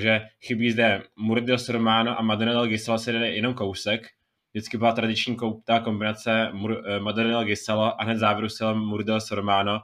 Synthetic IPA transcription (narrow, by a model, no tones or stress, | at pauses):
ʒɛxɪbiːzdɛmuɾdɪlosoɾmaːnoʔamadoɾodɛlɡɪsalosɛdɛdɛjɛno̞mkowsɛk | dɪt͡skɪbɪlat̪ɾadɪt͡ʃɲiːkowp̚t̪aːko̞mbɪnat͡sɛmumadoɾdɛlɡɪsaloʔaɦnɛt̪zaːvjɪɾusɛlomuɾdɪlosoɾmaːno